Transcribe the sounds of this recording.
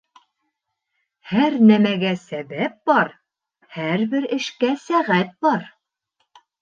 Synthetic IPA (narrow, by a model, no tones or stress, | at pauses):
hæɾnæmæɡæsæβæp̚bɑɾ | hæɾbɘɾɘ̆ʃkæsæʁæt̪̚bɑɾ